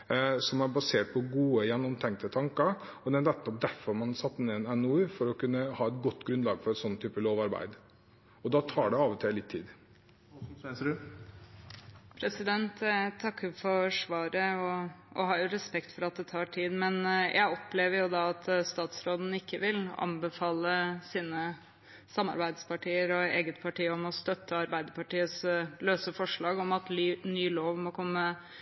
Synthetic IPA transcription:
sɔmæɾbɑseːʈ̚pʰɔɡuːəjɛnːɔmt̪ʰɛŋk̚t̪ət̪ʰɑŋkəɾɔd̪ɛænɛt̪ːɔp̚d̪æɾfɔɾmɑnɑsɑt̪ːneːnɛnufɔɾɔkʉnːəhɑːɛt̪ɡɔt̪ːɡɾʉnd̪lɑːɡfɔɾɛt̪sɔnːət̪ʰyːpəloːʋɑɾbæ̰ɪd̪ | ɔd̪ɑt̪ʰɑːɖɛɑːʋɔt̪ʰɪllɪt̪ʰːḭːd̪ | pʰɾɛsɪd̪ɛnt̪t̪ʰːɑkːəɾfɔɾʂʋɑːɾəɔʔɔ̰ɦɑːjʊɾɛspɛkt̪fɔɾɑt̪̚d̪ɛt̪ʰɑːʈʰiːd̪mɛnjʔæɪɔpleːʋəɾjʊd̪ɑːɑt̪ʰst̪ɑːt̪sɾoːd̪n̩ɪkːəʋɪlɑ̰nbɛfɑːləsiːnə | sɑmːɑ̰ɾbæɪd̪spɑʈiːəɾɔeːɡət̪pʰɑʈiːəɔmɔst̪œt̪ʰːəɑɾbæɪd̪əpɑʈiːət̪sløːsəfɔʂɭɑːɡɔmɑt̪lːnyːloːʋmɔkʰɔmːə

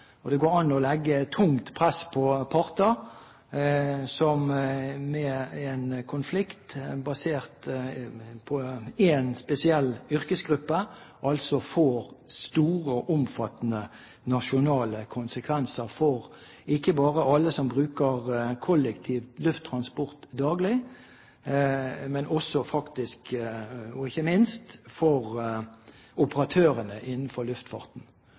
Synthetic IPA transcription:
ɔd̪ɛɡoːɾɑnːɔlɛɡːət̪ʰʊŋt̪pʰɾɛspʰɔpʰɑʁt̪ɑ | sɔmmɛɛnkʰʊnflɪkt̪bɑseːʁt̪ | pʰɔɛnspɛsɪɛlːʏʁkəsɡʁʉpːəʔɑlsɔfoːɾst̪uːʁəʔʊmfɑt̪ːənə | nɑʃʊnɑːləkʰʊnsəkʰʋɛnsəʁfɔʁ | ɪkːəbɑːʁəɑlːəsɔmbʁʉːkəʁkʰɔləkt̪ʰiːʋlʉft̪ʰːʁɑnspɔʁt̪d̪ɑːɡlɪ | mɛnʔɔsɔfɑkt̪ɪsk | ɔɪçəmɪnst̪fɔʁ | ʔʊpəʁɑt̪ʰøːʁənəʔɪnn̩fɔɾlʉft̪fɑ̰ʁt̪n̩

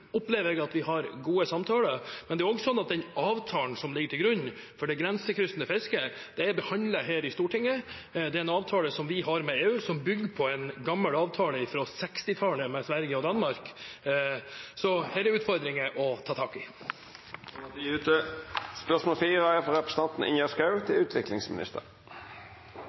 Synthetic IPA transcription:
ɔpleːʋəɾɛɡɑt̪ʋɪɦɑɾɡuːəsɑmt̪ʰɑːləmɛnd̪ɛæɾɔɡəsɔnːɑt̪̚d̪ɛnɑːʋt̪ʰɑːnsɔmlɪɡəʈʰɪlɡɾʉɲːfɔɖɛɡɾɛnsəkʰɾʏst̪ːnəfɪskəd̪̥ɛæɾbəhɑnd̪ləɦeːɾɪst̪uːʈʰɪŋːə | d̪ɛɾɛnɑːʋt̪ʰɑːləsɔmʋɪɦɑɾmɛeːʉːsɔmbʏɡːəpʰɔɛnɡɑmːəlɑːʋt̪ʰɑːləɪfɾɑsɛkst̪ɪt̪ʰɑːləmɛsʋæɾɡəɔd̪ɑnːmɑɾk | sɔhɛːɾɛʉːt̪fɔɾd̪ɾɪŋəʔɔt̪ʰɑːt̪ʰɑːkɪ | d̪ɛʉːt̪əspœʂmoːlfiːʁəæfɔɾɛpɾəsət̪ɑnt̪n̩ɪ̰njæskɑʉt̪ʰɪʉːt̪ʰʋɪklɪ̰ŋsmɪnɪ̰st̪ə̰ɾ

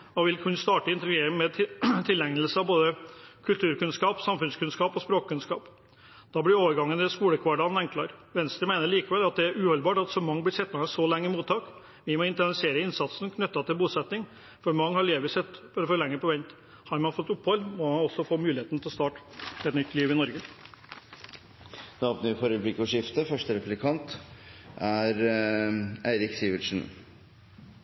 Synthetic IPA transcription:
ɔʋɪlkʰʉnst̪ɑːʈəɪnt̪ɾɡeːmɛt̪ʰɪlɛŋəlsəɑʋboːd̪əkʰʉlt̪ʰʉːɾkʉnskɑːpsɑmfʉnskʰʉnskɑːpɔspɾoːkkʰːʉnskɑ̰ːp | d̪̥ɑːblɽɪoːʋəɾɡɑŋːənd̪ɛskuːləkʰʋɑɖɑnɛŋkʰlɑ̰ɾʋɛnst̪ɾəmæɪnəɭiːkəʋɛlːɑt̪̚d̪ɛæɾʉːhɔlbɑːʈɑt̪sɔmɑŋːblɪʂɛt̪ːɑɛsɔlɛŋːəmuːt̪ʰːɑːk | ʋɪmɔɪnt̪ɛnɪseːɾəɪnsɑt̪snkʰnʉt̪ːɑt̪ɪlbuːsɛt̪nɪŋ | fɔɾmɑŋːhɑɭeːʋəsɛt̪ːfɔɾɔfoːlɛŋːəpɔʋɛnt̪ | hɑɾmɑnfɔt̪ːʊpːhɔlːmɔɑɔsːɔfɔmʉːlɪeːt̪nt̪ʰɪlst̪ɑːʈɛt̪nʏt̪ːliːʋɪnɔɾɡə | d̪oɔpnəʋɪfɔːɾəblɪkːɔʂɪft̪əfœʂʈəɾɛplɪkʰɑnt̪ʔæɾ | æɪɾɪksiːʋəʂn̩

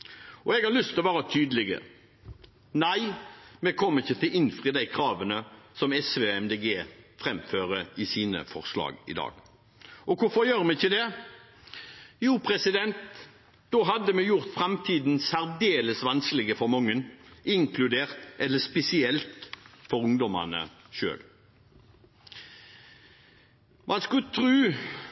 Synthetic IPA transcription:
ʔɔɛɡhɑʁlʏst̪ʰɪlɔʋæːʁət̪ʰyːd̪əlɪɡə̰ | næɪmɛkʰɔmːəʁɪçət̪ʰɪlɪnfʁiːd̪æɪkʰɾɑːʋənəsɔmɛsʋeːɛmd̪eːɡeːfɾɛmføːʁəɪsiːnə̰fɔ̰ʁslɑ̰ːɡɪ̰d̪ɑ̰ːɡ̥ | ʔɔkʰʊfɔɾjøːʁmɛçɪld̪ɛ | juːpʰʁɛsɪd̪ɛnt̪ | d̪oːɦɑd̪ːəmɛjʊʁt̪fʁɑmt̪ʰiːd̪nsæʁd̪eːləsʋɑnsklɪɡəfɔʁmɔŋːənʔɪŋkʰlʉd̪eːʁt̪ʔɛlːəspɛsɪɛlt̪fɔɾʊŋd̪ɔmɑ̰nə̰ʃø̰ːl | mʔɑnskʉt̪ʰɾʉː

